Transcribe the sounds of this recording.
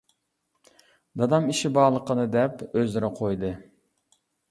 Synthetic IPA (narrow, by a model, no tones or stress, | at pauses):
d̪ɑd̪ɑmiʃibɑːlˠəqənɨd̪ɛpøzɪɾɛqʰojd̪ɨ